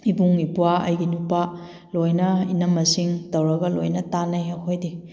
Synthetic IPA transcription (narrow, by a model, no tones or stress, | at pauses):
ibuŋipuaɐ̰jɡinupa | lojnɐinɐmːɐsiŋdɐwɾɐɡɐlo̰jnɐtanɐjɐhojdi